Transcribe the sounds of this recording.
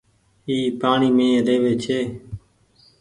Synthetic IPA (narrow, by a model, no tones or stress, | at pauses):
iːpaːɳiːmẽːɾeːʋeːt͡ʃʰeː